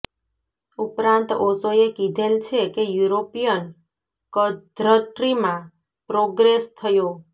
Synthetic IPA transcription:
upɾãnt̪ɔsoekid̪ʱelt͡ʃʰekejuɾopijən | kəd̪ɾəʈɾimã | pɾoɡɾest̪ʰəjo

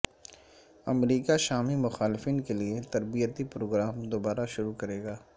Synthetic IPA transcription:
ɐmɾiːkaʃaːmimʊxaːlɪfiːnkeliet̪ɐɾbijət̪ipɾoːɡɾaːmd̪oːbaːɾaʃʊɾukɐɾeːɡaː

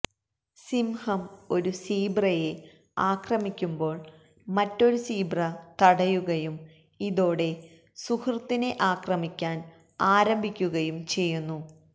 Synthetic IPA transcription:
simhɐmo̞ɾusiːbrɐje̞ | aːkrɐmikʲːumbo̞ːɭ | mɐtːo̞ɾusiːbrɐt̪ɐɽɐjuɣɐjum | iðo̞ːɽe̞ | suhʰrt̪ːine̞ʔaːkrɐmikʲːaːn | aːɾɐmbʱikʲːuɣɐjumt͡ɕe̞jːunːu

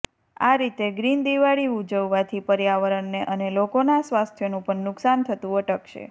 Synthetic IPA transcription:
a̰ɾit̪eɡɾind̪iʋaɭiud͡ʒəʋːat̪ʰipəɾjaʋəɾəɳːeʔənelokonasʋast̪ʰjonũpəɳnʊksant̪ʰət̪ũəʈəkʃʰḛ

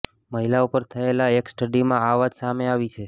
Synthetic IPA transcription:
məɦilaupəɾt̪ʰəelaeksʈəɖimãaʋad͡ʒsameaʋit͡ʃʰe

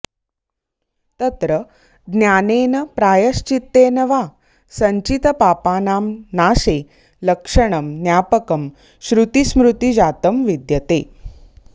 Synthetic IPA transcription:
t̪ɐt̪ɾə | ɡ̪njaːneːnɐpɾaːjəʃt͡ʃit̪ːeːnɐʋa | sɐɲt͡ɕit̪ɐpaːpaːnaːmnaːɕe | lɐkʂəɳ̃ɐmnjaːpəkəm | ɕɾut̪ismɾut̪id͡ʑaːt̪əmʋid̪jɐt̪eː

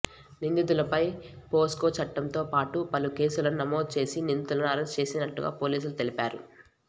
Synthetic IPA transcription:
nind̪id̪ulɐpɐjpoːsko̞ːt͡ʃɐʈːɐmt̪o̞ːpaːʈupɐluke̞ːsulɐnunɐmo̞ːd̪̚t͡ʃe̞ːsinind̪it̪ulɐnuɐɾest͡ʃe̞ːsinɐʈːuɡa̰ːpo̞ːliːs̬ulut̪e̞lipaːɾṵ

